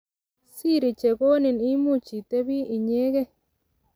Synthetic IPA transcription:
si˦˨ɾi˨t͡ʃe˨ɡo˦nɪ˨ni˦mu˦˨t͡ʃi˨t̪e˦bi˦i˨ɲe˦ɡe˦

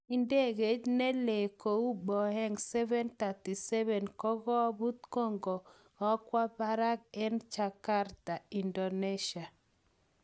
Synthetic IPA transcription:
i˨nde˦ɡe˨˦d͡ʒne˦le˨ko˨u˦ɓɔ˨hɛ˦ŋsɛ˦vɛ˦nt̪a˨ti˨sɛ˦βɛ˨nkɔ˦ɣɔ˦bu˦t̪ko˦˨ŋɡɔ˨ | ɣɔ˦kwa˦ba˦ɾa˦k̚ɛ˦nt͡ʃa˨ka˦ɾta˨i˨ndo˨ne˦ʃa˨

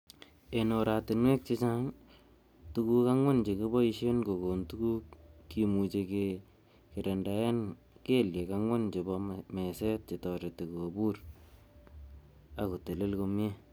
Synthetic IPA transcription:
e˨no˨ɾa˨tɪ˨nwe˦k̚t͡ʃɪ˦t͡ʃa˦ŋ | tu˦ku˦ka˦ŋwa˦nt͡ʃe˨ki˦bɔ˦i˦ʃe˦nko˨ko˨ntu˦ku˦kːi˨mu˨t͡ʃe˨ke | ke˨ɾe˨nda˨ja˦n | ke˦lje˨ka˦ŋwa˦nt͡ʃe˨bɔme˨sɛ˦t̚t͡ʃɪ˨tɔ˨ɾe˨te˨ko˨bu˦r | a˨ku˨te˨le˦lko˧m˦e˦

